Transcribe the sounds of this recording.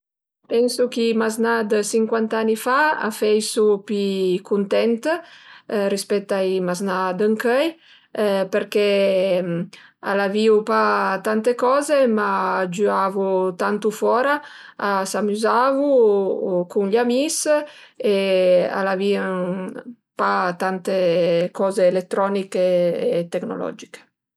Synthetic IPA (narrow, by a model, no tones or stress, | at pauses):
pɛnsukimaznad̪siŋkwant̪anifaa̰fɛjsupikunt̪ɛnt̪ | rispɛt̪ːaimaznad̪əŋkœj | peɾkɛ | a̰laviupat̪ant̪ekɔzemad͡ʒyavut̪ant̪ufɔːɾa | asamyzavu | kunʎamis | ea̰laviə | pat̪ant̪ekɔzeːlet̪ːɾɔnikeːt̪ekno̰lɔ̰d͡ʒike̥